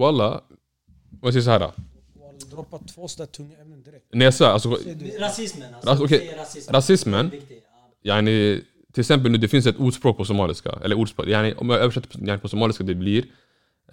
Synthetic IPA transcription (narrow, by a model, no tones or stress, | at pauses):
walːa̰ | ɔmjasɛjːsɔhæːɾa̰ | nɛsɔæːɾalsɔ | aɔkʰɛɾasɪsmən | janɪ | t̪ʰɪlɛksɛmp̬əlʉːd̪ɛfɪns̬ɛt̪uːɖʂpɾoːk̚pʰɔsʊmɑːlɪska̰ʔɛ̰lːəɾuːɖspɾoːkjanɪʔɔ̰mjaøːvʂɛt̪ːəjanɪpʰɔsʊmɑːlɪskad̪ɛbliɾ